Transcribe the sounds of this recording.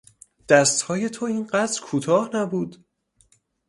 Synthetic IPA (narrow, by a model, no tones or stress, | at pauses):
d̪̥æst̪hɒːje̞t̪ʰoiːnɢæt̪ɾkʰuːt̪ʰɒːhnæbuːd̪